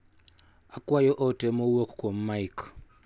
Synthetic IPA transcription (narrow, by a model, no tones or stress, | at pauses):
akʼwajɔʔɔtʼɛmowokʰkʰʼom̩maikʰ